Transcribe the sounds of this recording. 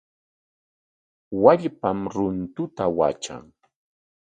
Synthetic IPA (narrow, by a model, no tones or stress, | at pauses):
waʎpamɾʊnt̪ʊt̪awa̰t͡ʃa̰ŋ